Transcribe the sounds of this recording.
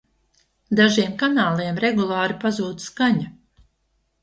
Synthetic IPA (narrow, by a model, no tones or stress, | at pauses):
d̪aʒiɛmkanaːlˠiɛmɾɛɡulˠɑːɾipazuːd̪skaɲa